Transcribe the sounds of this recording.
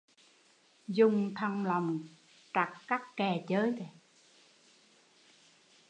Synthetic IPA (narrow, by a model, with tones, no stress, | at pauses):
zʊ˨˩ŋ͡mt̪ʰə˧ŋla˨˩wŋ͡m | t͡ɕa˨˩k̚kaː˦˥kkɛ˨˩t͡ɕəː˨˦jt̪e˨˩